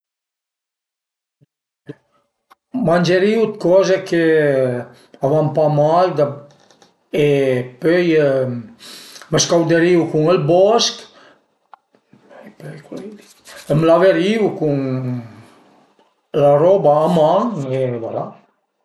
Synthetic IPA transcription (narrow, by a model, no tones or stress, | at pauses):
manʲd͡ʒeɾiwt̪̚kɔzekʰe | avampamajd̪a | epøj | məskawd̪eɾiwkuŋəlbɔsk | jpøjkuid | əmlaveɾiwkuŋ | laɾɔbaːmaŋeva̰la̰